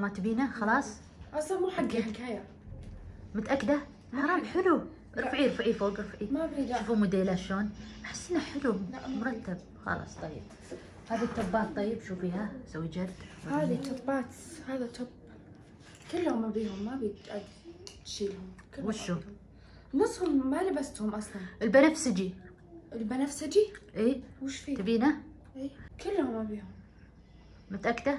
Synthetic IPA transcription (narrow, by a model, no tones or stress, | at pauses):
mʊɾˤɑt̪ːɪbiːnaxɑlɑːsˤ | ʔɑsˤɑmuːħaɡakaːja | mʊt̪ʔakːd̪a | ɑɾˤɑːmħɪlu | ɾˤfʕiɾfʕifoːɡɾɑfʕimabiʃuːfumʊd̪eːlaʃloːnʔaħɪ̥sːɪnːaħɪlumʊɾˤɑt̪ːab̚ | xɑ̰lɑ̰sˤt̪ˤɑjːɪb̥̚ | haːðit̪ːʊbːaːt̪̚t̪ˤɑjːɪbʃuːfiːhasawːid͡ʒaɾd̪haːðit̪ːʊbːaːt̪haːðat̪ʊb | kɪlːaɣmabiːɦʊmːabiʔad̪ | t̪ʃiːlhʊmwɪʃʊb | nɨsˤːhʊmːalɪbast̪hʊmʔɑsˤlɑnʔɪlbanafsɪd͡ʒi | ʔɪlbanafsɪd͡ʒiʔiːwɪʃfiːt̪abiːna | ʔiːkɪlːaɣmabiːhʊm | mʊt̪ʔakd̪ɑɾ